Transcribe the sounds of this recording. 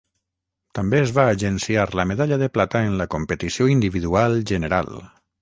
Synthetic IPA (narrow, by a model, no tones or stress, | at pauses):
t̪ambeːzβaːʒensiaɾləmeðaʎaðeplat̪aenlakompet̪isioind̪iβiðualʒəneɾa̰l